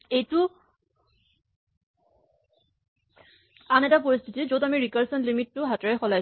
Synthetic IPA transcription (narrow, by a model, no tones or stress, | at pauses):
ejtʊ | anɛtap̬oɹistʰitizotamiɹikaɹsɔnlimitːʊɦataɹɛxɔlaj